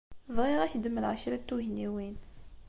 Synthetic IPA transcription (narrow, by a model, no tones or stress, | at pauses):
vʁiʁæçd̪əmːəlʕaʃɾæt̪ːuʝniwin